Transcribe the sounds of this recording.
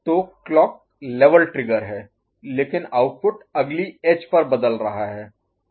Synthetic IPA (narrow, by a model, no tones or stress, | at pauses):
t̪oːkːlɔːk̚ | leːʋəlʈɾɪɡəɾɦɛː | leːkɪnaːʊʈfʊʈɐɡlieːd͡ʒpɐɾbɐd̪əlɾɐɦaɦɛː